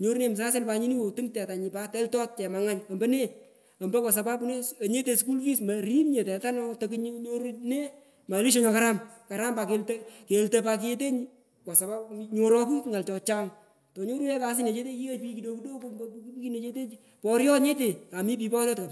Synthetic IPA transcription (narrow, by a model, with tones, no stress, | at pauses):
ɲo˦ɾu˦ne˦m˨s̬a˦se˦lpa˧ɲi˦ni˦wo˨tɨ˦ŋtɛ˨ta˨ɲi˨pa˦tɛ˦ltɔ˦t̚t͡ʃɛ˨ma˨ŋa˦ɲɐ˨mbɐ˦ne˦ | ɐ˨mbɐ˦kɔ˨s̬a˨pa˦pu˦ne˦˨ɲe˦te˧sku˦lfi˦smɐ˨ɾi˦nɲe˨tɛ˨ta˦nɔ˦to˨kiɲɲo˦ɾne˦ | ma˨li˦ʃ̬ɔ˦ɲɔ˨ka˦ɾamka˨ɾa˦mpa˧ke˧ltɐke˨ltɐpa˧k̬i˦e˦t̬e˦ɲ | kɔ˨sa˨pa˦ɲo˨ɾɔ˧ku˦kŋa˨lt͡ʃɔ˧t͡ʃa˦ŋ | tɔ˨ɲo˦ɾu˦ne˦kaː˨s̬ɪ˦ne˨t͡ʃe˦t̬e˦ki˦ke˦pi˦ki˨do˧ku˦do˦kmbkukki˦ne˨t͡ʃe˦t̬e˦ | pɔɾjɔ˦tɲe˦te˨a˨mi˦p̬i˨pɔ˦ɾjɔ˦tka˨